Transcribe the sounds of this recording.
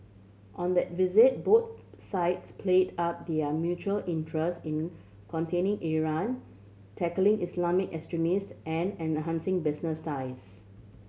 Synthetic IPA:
ʔɔ̃nd̪ɛt̚vizɪt̚bot̪̚saɪtspʰledap̚d̪iəmjut͡ʃuəlʔĩntʰɹɛstĩn | kʰɔ̃ntʰẽnɪ̃ŋʔiɹãn | tʰɛkəlɪ̃ŋʔislamɪkɛkstɹɛmistʔɛ̃nɛ̃nɦãnsɪ̃ŋbɪsnəstaɪs

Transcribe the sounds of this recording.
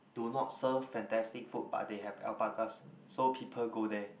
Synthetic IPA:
dunɔt̚səvfɛ̃ntɛstik̚fut̚ba̰t̚deɦɛvɛ̰lpakas | sopʰipʰəlɡodɛ

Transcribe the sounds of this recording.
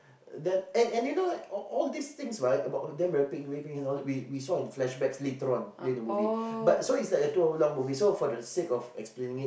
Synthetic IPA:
dɛ̃nɛ̃nɛ̃njunoaɔɔldist̪ɪ̃ŋsɹaɪtəbaʊdɛ̃nɹɛpikwepĩɛ̃nɔwiwisɔ̃nflɛʃbɛksletəɹɔ̃nletəmuvibat̚soitslajk̚dətuɔlɔ̃ŋmuvisofɔdəsekɔfɛ̰ksplẽnɪ̃ŋit̚

